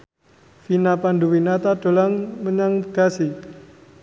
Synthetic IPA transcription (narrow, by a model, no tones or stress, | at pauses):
finapanɖuwinat̪aɖ̥o̤laŋməɲaŋɡ̥a̤si